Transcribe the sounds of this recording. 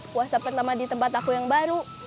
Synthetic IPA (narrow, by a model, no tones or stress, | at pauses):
puasapərt̪amadit̪əmpat̪akujaŋbaɾu